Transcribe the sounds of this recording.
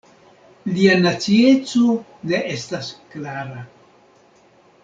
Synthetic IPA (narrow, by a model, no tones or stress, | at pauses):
lianat͡sie̞t͡so̞ne̞ʔestasklaɾa